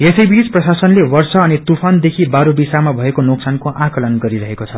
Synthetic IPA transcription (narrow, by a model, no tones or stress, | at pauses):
esʌjbit͡sprʌsasʌnlewʌrsʌːnit̪upʰand̪ekʰibaɾobisamabʱʌekonoksankoʔãkʌlʌnɡʌɾiɾʌɦekot͡sʰʌ